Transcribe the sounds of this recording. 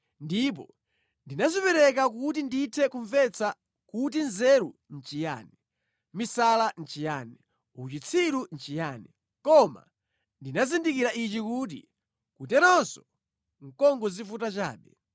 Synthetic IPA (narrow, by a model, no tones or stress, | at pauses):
ndip̬ɔ̰ | ndinazipɛɾɛk̬akut̬indiːtʰɛkuɱvɛt͡sʰa | kut̬inzɛɾun̩t͡ʃija̰ːnɛ | misalan̩t͡ʃijaːnɛ | ut͡ʃit͡sʰiɾun̩t͡ʃijaːnɛ | kɔma̰ | ndinazindikiɾaʔit͡ʃikuːt̬ḭ | kutɛnɔnsɔ | ŋ̩kɔŋɡɔzifutat͡ʃa̰ːɓɛ